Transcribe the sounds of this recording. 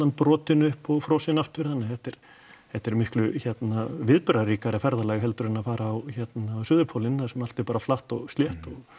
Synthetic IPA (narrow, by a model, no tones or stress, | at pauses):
anpɾɔːt̪ɪnʏhpɔɣfɾɔːsɪnaft̪ʏɾ̥θanːɪθɛht̪ɛɾ̥ | hɛht̪ɛɾmɪhklʏçɛt̪navɪðpʏɾaɾiːkaɾɪfɛɾðalɛɣɦɛlt̪ʏɾɪnafaːɾaːwçɛt̪nasʏːðʏpʰawlɪnːasɛmal̥t̪ɪɾpaːɾaflaht̪ɔɣst̪ljɛht̪ɔɣ